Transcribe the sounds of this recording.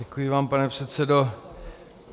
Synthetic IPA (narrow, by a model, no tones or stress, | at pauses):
ɛkujɪvaːmpanɛpr̥ɛt̪sɛdo